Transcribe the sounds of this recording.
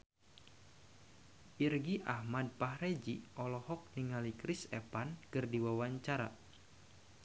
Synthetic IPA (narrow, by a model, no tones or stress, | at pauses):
ʔirɡiʔahmad̚pahred͡ʒiʔɔlɔhɔk̚niŋalikɾisɛ̰pankɨrdiwawaɲt͡ʃaɾa̰